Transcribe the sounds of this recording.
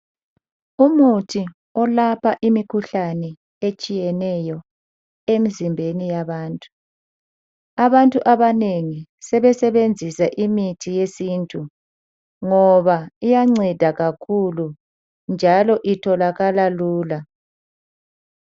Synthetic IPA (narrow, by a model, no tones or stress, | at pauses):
umutʰi | ɔlapʰaʔimikʰuɬanɛ | et͡ʃʼijɛnɛjɔ | em̩zimbʱenijaβaːntʼu̥ | aβantʼuʔaβaneŋisɛβɛsɛβend͡zʱisaʔimitʰijesiːntʼu | ŋɔβaijaŋ͡ǀɛd̥ʱaɣakʰulu | nd͡ʒʱalɔʔitʰɔlaɣalaluːla